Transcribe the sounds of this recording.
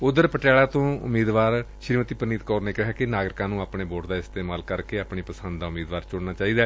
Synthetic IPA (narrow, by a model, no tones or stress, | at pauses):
ʊd̪əɾpəʈaːɭaːt̪õːʊ̰miːd̪ʋaːɾʃɾiːmət̪iːpɾəniːt̪kɔːɾneːkɪɦaːkɪnaːɡɾɪkãːnũːaːpɳeːboːʈd̪aːɪst̪eːmaːlkəɾkeːaːpɳiːpəsə̃nd̪d̪aːʊmiːd̪ʋaːɾt͡ʃʊɽnaːt͡ʃaːiːd̪aː